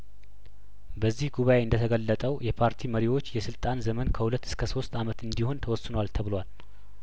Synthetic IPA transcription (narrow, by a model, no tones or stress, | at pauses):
bəzːihɡuβae̞ɨnd̪ət̪ʰəɡəlːət̪ʼəwjɛpʰaɾt̪ʰiməɾiwo̞t͡ʃːjɛsɨlt̪ʼanzəmənkʰəhulət̪ːɨ̥skʰəso̞st̪ʰamət̪ɨnd̪iho̞nt̪ʰəwɔsːɨnəwalt̪ʰəβɨlwal